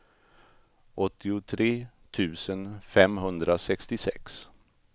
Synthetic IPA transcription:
ʔɔt̪ːɪʊt̪ʰɾeː | t̪ʰʉ̟ːsənfɛmɦɵnd̪ɾasɛkst̪ɪsɛ̰ks

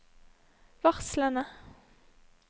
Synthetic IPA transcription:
ʋɑʁslənə

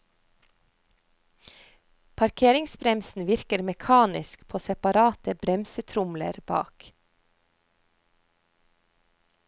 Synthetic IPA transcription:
pʰɑɾkʰeːɾɪŋsbɾɛmsn̩ʋɪɾkəɾmɛkʰɑːnɪskpʰoːsɛpɑɾɑːt̪əbɾɛmsət̪ʰɾʊmlə̰ɾbɑ̰ːk

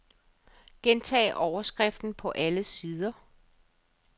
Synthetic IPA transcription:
ɡ̥ent͡sʰɛ̰ːʔɒʊɐsɡ̥ʁɛfd̥n̩pʰɒ̽ʔæləsiːð̞ˠɐ

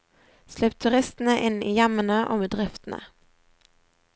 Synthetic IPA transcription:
slɛp̚t̪ʰʉʁɪst̪n̩əʔɪnḭːjæmənəʔo̰ːbəd̪ʁɪft̪n̩ə̰

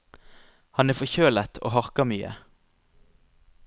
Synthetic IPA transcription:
hɑnæːfɔçøːlət̪ʰo̰ːhɑʁkɑmyːə̰

